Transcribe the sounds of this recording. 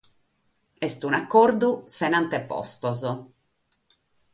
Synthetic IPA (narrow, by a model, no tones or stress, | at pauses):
ɛst̪unakːɔrd̪usenant̪epɔ̰st̪ɔzɔ